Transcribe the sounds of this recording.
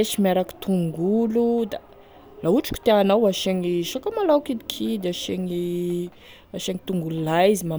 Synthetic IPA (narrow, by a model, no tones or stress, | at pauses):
eʃimaɾaki̥t̪ʰuŋɡulud̪a | lauʈ͡ʂu̥kʲu̥t̪eanawaʃeŋiʃokamalawkid̪ikʰid̪eaʃeŋi | aʃeŋit̪uŋɡululaizima